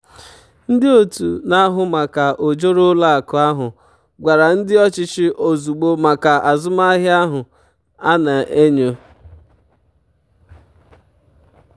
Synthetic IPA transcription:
n̩˦dɪ˦o˨tṵ˨na˦ɦʊ˦ma˨ka˨ʔo˨d͡ʒo˦ɾo˦la˦a˨kʊ˨a˦ɦʊ˨ | ɡʷa˨ɾa˨n̩˦dɪ˦ɔ˦t͡ʃɪ˦t͡ʃɪ˦ʔo˨zu˨ɡ͡bo˦ma˨ka˨a˨zʊ˦ma˦ɦja˦ɦʊ˨ | a˦na˨ʔe˦ɲo˦

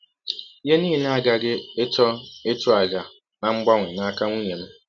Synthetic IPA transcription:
i˦ɦe˦niː˦ɦi˨na˦a˦ɡa˦ɡɪ˦e˦tɔ˦e˦tʊ˦a˨ɡa˨ | na˦ŋ͡m̩˦ɡ͡ba˦ŋʷ˨e˨na˦a˦ka˦ŋʷu˦ɲe˨m̩˦

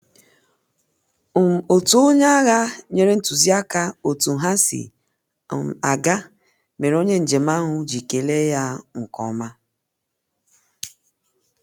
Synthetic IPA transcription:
o˨tu˦o˦ɲa˦ɣa˦ɲe˦ɾe˦n̩˦tu˨zi˦a˦ka˦o˨tu˨ɦa˦sḭ˨ | a˨ɡa˦ | me˨ɾo˦ɲe˦n̩˨d͡ʒe˨ma˦ɦʊ˦d͡ʒi˨ke˨le˦ja˦ŋ̩˨kɔ̰˨ma˦

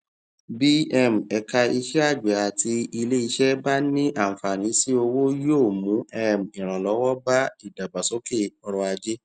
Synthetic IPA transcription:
bi˦ɛ˦˨m̩˨ɛ˧ka˧i˧ʃɛ˦a˦˨d͡ʒʷɛ˨a˨ti˧i˧le˦i˧ʃɛ˦ba˦nĩ˦ʔã˦˨fa˨ñĩ˨˦si˦o˧wo˦jo˦˨mũ˨˦ɛ˦m˨ĩ˨ɾ̃ã˨lɔ˨˦wɔ˦ba˦i˦˨da˨ba˨so˨˦ke˦˨ɔ˧ɾɔ˧a˧d͡ʒe˦

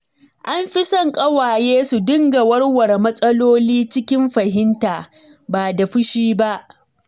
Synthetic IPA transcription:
ʔa˦mɸɪ˦sɔ˦ŋkʼɐ˦waː˨jeː˦su˨dɪ˦ŋɡa˨wɐ˦rwɐ˨rmɐ˦sʼɐ˦loː˦liː˦t͡ʃɪ˦kʲɪ˦mɸɐ˨ɦɪ˦ntaː˨ | baː˨da˨ɸʊ˦ʃiː˦ba˦ʔ

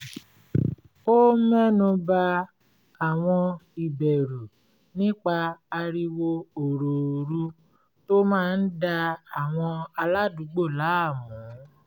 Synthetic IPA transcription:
o˦mɛ˦nũ˧ba˧ | a˨w̃ɔ̃˧i˨bɛ˨ɾu˨ | nĩ˦k͡pa˧a˧ɾi˧wo˧o˨ɾo˨ɾu˦ | to˦mãː˦˧n̩˦da˧a˨w̃ɔ̃˧a˧la˦du˨˦ɡ͡bo˦˨la˨˦a˦˨mũ˨˦

